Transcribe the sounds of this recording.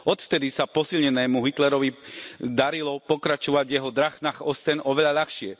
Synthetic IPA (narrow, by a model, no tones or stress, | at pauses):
ɔt̪ft̪ɛd̪isapɔsilɲɛnɛːmuɦit̪lɛɾɔʋid̪aɾilɔpɔkɾat͡ʃɔʋaɟʋjɛɦɔd̪ɾaxnaːxɔstɛnɔʋɛʎaʎaxʃɪɛ